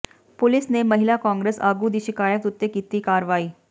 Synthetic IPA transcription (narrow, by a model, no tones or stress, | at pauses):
polisneməɦilakɔ̃ŋɡɾesaɡuːd̪iɕikajək̚t̪ut̪ːəkit̪iːkaɾʋaiː